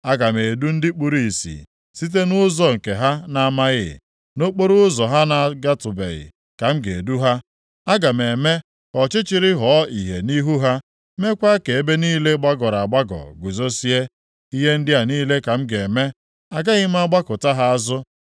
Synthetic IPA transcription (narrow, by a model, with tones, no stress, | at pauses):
a˦ɡa˨me˨du˦n̩˦dɪ˦k͡pu˨ɾi˨sḭ˨ | si˦t̬e˦nʊ˦zɔ˦ŋ̩˨ke˨ɦa˦na˦ma˦ɣɪ̰˦˨ | no˦k͡po˦ɾʊ˦zɔ˨ɦa˦na˨ɡa˦tʊ˨bḛ˨ɣɪ̰˨ | ka˨m̩˦ɡe˨du˦ɦa˦ | a˦ɡa˨me˨me˦ | kɔ˨t͡ʃɪ˦t͡ʃɪ˨ɾɪ˦ɦɔ˨˦i˨ɦe˨ni˦ɦu˦ɦa˦ | me˦kʷa˦ke˨e˦be˦niː˦le˦ɡ͡ba˦ɡɔ˨ɾa˨a˨ɡ͡ba˦ɡɔ̰˨ɡʷu˨zo˦si˦e˦ | i˦ɦe˦n̩˦dɪ˦a˨niː˦le˦ka˨m̩˦ɡe˨me˦ | a˨ɡa˦ɣɪ˦m̩˦a˦ɡ͡ba˦kʊ˨ta˦ɦa˦a˦zʊ˦